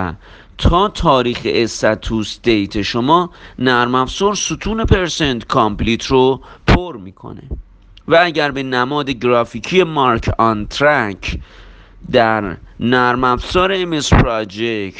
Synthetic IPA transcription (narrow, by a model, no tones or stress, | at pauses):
t̪ʰɒːt̪ʰɒːɾiːxḛʔesæt̪ʰusd̪ejt̪ʰe̞ʃomɒːnæɾmæfsɔːɾsut̪ʰuːnepʰe̞ɾsent̪kʰɒmpliːt̪ʰɾopʰoɾmiːkʰo̰nḛ | vææɟæɾbe̞næmɒːd̪e̞ɡɾɒːfiːcʰije̞mɒɾkʰɒnt̪ʰɾækʰ | d̪æɾnæɾmæfsɒːɾeːmespɾɒd͡ʒekt̪